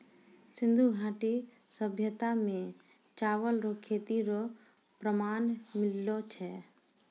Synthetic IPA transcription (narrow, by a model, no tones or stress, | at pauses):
sɪ̃nd̪ʱuɡʱãːʈi | səbʱjət̪amẽ | t͡ʃaːʋəlɾokʰːet̪iɾo | pɾəmaːnmɪlːot͡ʃʰɛ